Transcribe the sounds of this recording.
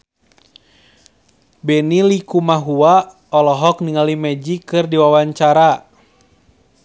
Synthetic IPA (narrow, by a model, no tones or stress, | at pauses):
bɛnilikumaɦua | ɔlɔɦɔkniŋalimɛd͡ʒikɨrdiwawaɲt͡ʃaɾa